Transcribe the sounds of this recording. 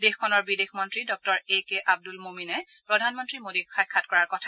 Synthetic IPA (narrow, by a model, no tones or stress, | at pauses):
dexkʰɔnɔɹbidexmɔntɹidɔk̚tɔɹekeʔab̚dulmominɛpɹɔdʱanmɔntɹimodiɹxajkʰːatkɔɹaɹkɔtʰa